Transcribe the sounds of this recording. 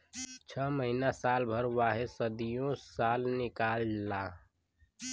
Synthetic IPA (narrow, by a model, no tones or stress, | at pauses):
t͡ʃʰəməɦinasaːlbʱəɾwaːɦesəd̪ijõsaːlnɪkaːllaː